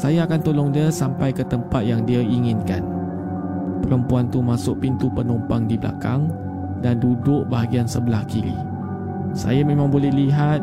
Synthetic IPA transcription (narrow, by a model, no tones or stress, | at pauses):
sajaːkant̪olɔŋdiasampajkət̪əmpat̪̚jaŋdiaiŋɪnka̰n | pəɾəmpuant̪umasʊk̚pint̪upənumpaŋdibla̰kaŋ | dandudʊʔ̚baɦaɡiansəbəlahkilḭ | sa̰jamẽmãŋbolɛhliɦat̪̚